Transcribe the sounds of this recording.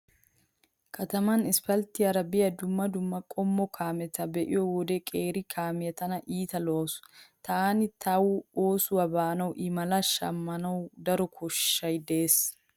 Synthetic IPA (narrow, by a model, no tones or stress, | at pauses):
kʰɐt̪ɐmɐnɪspɐlt̪ɪjɐɾɐbɪjɐd̪ʊmːɐd̪ʊmːɐkʼɔmːɔkʰaːmɛt̪ɐbɛʔɪ̰jɔwɔd̪ɛkʼeːɾɪkʰaːmɪjɐt̪ɐnɐʔiːt̪ɐlosʊ̥t̪aːnɪt̪ʰawʊoːsʊwɐbaːnɐwʔɪmɐlɐʃɐ̰mːɐnɐwd̪ɐɾɔkʰɔʃːɐjd̪eeːs